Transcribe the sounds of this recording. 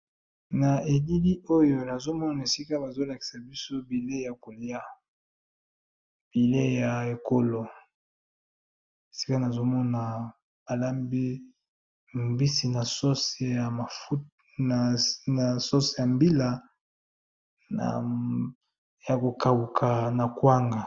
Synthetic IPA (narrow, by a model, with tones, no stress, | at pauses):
na˨e˨di˦li˦o˦jo˨na˨zo˦mɔ˦n˨na˨e˨si˦ka˦ba˨zo˦la˨ki̥˨sa˨bi˦so˦bi˨le˦ja˨ko˨li˦a˦ | b̥i˨le˦ja˨e˨ko˦lo˨ | e˨si̥˦ka˦na˨zo˦mɔ˦na˨ | ba˨la˦mbi˦ | mbi˦si˨na˨so˦se˨˦ja˨ma˨u˦ | na˨na˨so˦se˨ja˨mbi˦la˨ | na̰˨ | ja˨ko˨ka˨wu˨kʰa˨na˨kwa˦ŋɡa˨